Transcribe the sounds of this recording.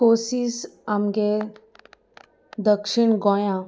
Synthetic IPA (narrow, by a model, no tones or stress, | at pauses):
koːsisɐmɡe | d̪əkʃɪɳɡɔjã